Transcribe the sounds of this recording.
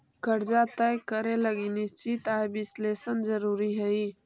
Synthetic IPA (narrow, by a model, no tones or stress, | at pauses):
kəɾd͡ʒat̪əjkəɾeləɡinist͡ʃit̪aebɪsleːsənzəɾuːɾiɦəi